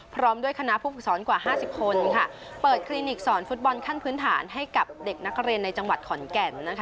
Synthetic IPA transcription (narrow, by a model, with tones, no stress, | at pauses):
pʰɾɔː˦˥mdu˥˩əjkʰa˧na˦˥ʔpʰuː˥˩pɯ˨˩sɔː˩˦nkwaː˨˩ɦaː˥˩si˨˩p̚kʰo˧nkʰa˥˩ | pɤː˨˩t̪̚kʰɾiː˧ni˨˩k̚sɔː˩˦nfu˦˥t̪̚bɔ˧nkʰa˥˩npʰɯː˦˥nt̪ʰaː˩˦nɦa˥˩jka˨˩p̚de˨˩k̚na˦˥k̚ɾi˧ənːa˧jt͡ɕa˧ŋwa˨˩t̪̚kʰɔ˩˦nkɛ˧˩nːa˦˥kʰ